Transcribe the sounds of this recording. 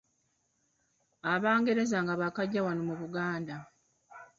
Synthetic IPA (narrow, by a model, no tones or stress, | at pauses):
aβaːŋɡe̞ɾe̞zaŋɡaβakaɟːawanomuβuɡaːnda